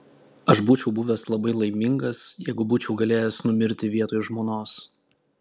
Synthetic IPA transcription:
ɐʃbuːt͡ʃʲɛʊbuːʋʲɛslˠɐbɐɪlˠɐɪmʲɪŋɡɐsjɛɪɡʊbuːt͡ʃʲɛʊɡɐlʲeːjɛsnʊmʲɪɾʲt̪ʲɪʋʲiɛt̪oːjʊʒmoːnoːs

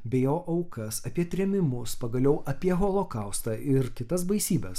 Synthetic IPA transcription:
bʲɛjoːʔɐʊkɐsɐpʲiɛt̪ʲɾʲɛmʲɪmʊspɐɡɐlʲɛʊʔɐpʲiɛɣolˠoːkɐʊst̪ɑːʔɪɾkʲɪt̪ɐs̬bɐɪsʲiːbʲɛs

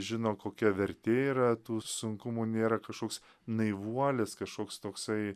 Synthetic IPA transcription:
ʒʲɪnoːkoːkʲɛʋʲɛɾʲt̪ʲeːiːɾɐt̪uːsʊŋkʊmuːnʲeːɾɐkɐʃkoːks | nɐɪʋuɔlʲɛskɐʃkoːkst̪oːksɐɪ

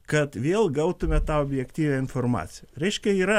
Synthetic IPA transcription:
kɐt̪ʋʲeːlˠɡɐʊt̪ʊmʲɛt̪ɑːoːbʲjɛkt̪ʲiːʋʲæɪnformɑ̰ːt̪sʲɪjɛɾʲɛɪʃʲkʲɛiːɾɐ

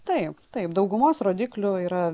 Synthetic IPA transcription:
t̪ɐɪpt̪ɐɪpd̪ɐʊɡʊmoːsɾoːd̪ʲiːklʲʊiːɾɐ

